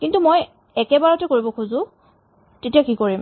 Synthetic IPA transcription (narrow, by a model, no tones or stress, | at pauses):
kintumoj | ɛkɛbaɹɔtɛkoɹibɔkʰuzʊ̃ | tetijakikoɹim